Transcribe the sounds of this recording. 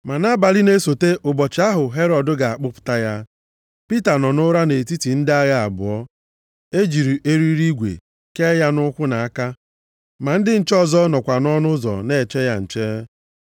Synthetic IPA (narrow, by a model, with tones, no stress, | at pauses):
ma˨na˦ba˨li˦ne˦so˨te˦ʔʊ˨bɔ˨t͡ʃɪ˨˦a˦ɦʊ˨ɦe˦ɾɔ˨dʊ˦ɡa˨a˨k͡pʊ˦pʊ̥˦ta˦ja˦ | pi˦ta˨nɔ˨nʊ˦ɾa˦ne˨ti˦ti˨n̩˦dɪ˦a˦ɣa˦a̰˨bʊ˨ɔ˦ | e˦d͡ʒi˨ɾi˨ʔe˦ɾi˦ɾi˦ɡʷḛ˨ | ke˦ja˦nʊ˦kʷʊ˦na˨a˦ka˦ | ma˨n̩˦dɪ˦n̩˨t͡ʃɔ˦zɔ˦nɔ˨kʷa˨nɔ˦nʊ˦zɔ̰˨ne˦˨t͡ʃe˦ja˦n̩˨t͡ʃe˦